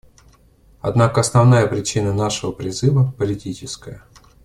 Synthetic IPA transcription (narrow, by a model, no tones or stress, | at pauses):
ɐ̰d̪nakəɐsnɐvnajəpɾʲɪt͡ɕinənaʂɨvəpɾʲɪzɨvəpəlʲɪtʲit͡ɕɪskəjə